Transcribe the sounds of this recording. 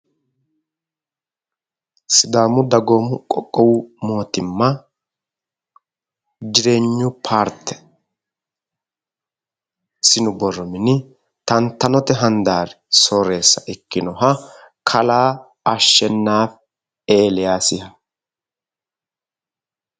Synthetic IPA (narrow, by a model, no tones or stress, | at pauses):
sɪd̪aːmʊd̪ɐɡoːmʊkʼɔkʼːɔwmo̞ːt̪ɪmːɐ | d͡ʒɪɾe̞ːɲːʊpʰaːɾt̪ːɛ̥ | sɪnʊbɔrːɔmɪnɪ | t̪ɐnt̪ːɐnɔt̪ɛɦɐnd̪aːɾɛsoːɾe̞ːsːɐʔɛkːɪnɔɦɐ | kʰɐlaː | ɐʃːɛnːaːf | eːlɛjaːsɪhɐ